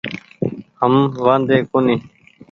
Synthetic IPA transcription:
həmʋaːnd̪eːkoːniː

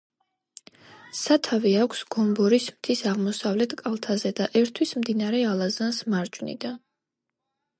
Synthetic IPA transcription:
sat̪ʰaviakʷʰsɡ̥ɔmbɔɾismt̪ʰisaʁmɔsavlɛt̪ʰkʼalˠt̪ʰazɛd̪aʔɛɾt̪ʰwismd̪inaɾɛalˠazansmaɾt͡ʃʼnḭd̪a

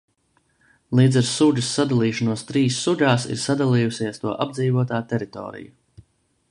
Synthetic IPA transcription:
lˠiːd̪zɛɾsud͡ʒɪsːad̪alˠiːʃɐnuɔst̪ɾiːsːud͡ʒaːsḭɾsad̪alˠiːjusiɛst̪uɔʔab̚d̪ziːvuɔt̪aːt̪ɛɾit̪ɔ̰ːɾḭju

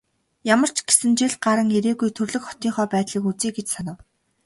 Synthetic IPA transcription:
jamə̆r̥t͡ɕʰɡ̥e̥sɘ̆nt͡ɕeɮɢaɾə̆ŋeɾeːɣujt̪ʰɵrɮɵ̆kχɔ̥t̪iːŋχɔːpæːt̪ɮiːkut͡siːɡet͡ɕsanə̆w

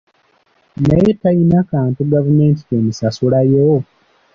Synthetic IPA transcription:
nejetainakaːntuɡavume̞ːnti̥temisasulajo

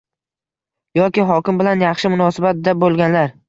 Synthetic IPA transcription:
jɒkʲɪɦɒkʲɪmbɪlanjɑχʃɪmʊnɒsɪbat̪̚d̪abolˠɡʲanlaɾ

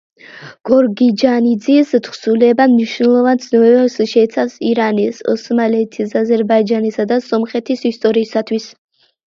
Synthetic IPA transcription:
ɡ̥ɔɾɡid͡ʒanid̪zist̪ʰχsulɛbamniʃwnɛlˠɔvant̪sʰnɔɛbɛbsʃɛːt̪sʰafsiɾanisɔ̰smalɛt̪ʰisazɛɾbaid͡ʒanisad̪asɔmχɛt̪ʰisist̪ʼɔɾiːsat̪ʰwis

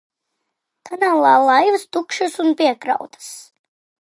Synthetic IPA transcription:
kʰanaːlˠaːlˠajvɨst̪ukʃɨsunpiɛkɾa̰wt̪ʰə̥s

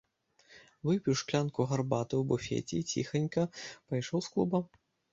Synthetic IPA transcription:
vɨpʲiwʂklʲankuɣɐrbat̪ɨwbufʲḛt͡sʲɛ̰t͡sʲḭxɐnʲkɐpajʂɔwsklˠubɐ

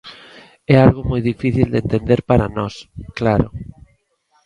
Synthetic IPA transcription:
ɛalɣomɔjðifiθild̪ent̪end̪eɾpaɾanɔsklaɾʊ

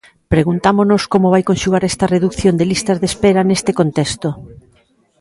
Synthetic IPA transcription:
pɾeɣunt̪amonoskomoβajkonʃuɣaɾɛst̪ɐreðukθjond̪elist̪ɐzðespɛɾɐnest̪ekont̪est̪o

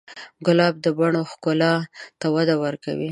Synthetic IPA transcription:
ɡʊlɑb̚d̪əbaɳoxkʊlat̪awad̪awəɾka̰wḭ

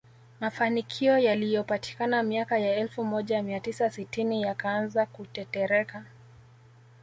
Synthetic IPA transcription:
mafanikʰiɔjalijɔpati̥kanamiakajaɛlfumɔʄamiatisasitinijakaanzakutɛtɛɾɛka

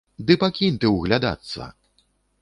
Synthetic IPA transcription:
d̪ɨpakʲint̪ɨwɣlʲad̪a̰t̪sːɐ̰

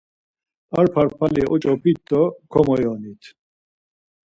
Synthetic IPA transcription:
aɾpʰaɾpʰaliʔɔt͡ʃʼɔpʰit̪ʼːɔkʰɔmɔjɔnit̪ʰ

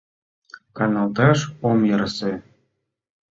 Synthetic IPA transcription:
kɑnɑlt̪ɑʃomjɤ̆ɾɑse

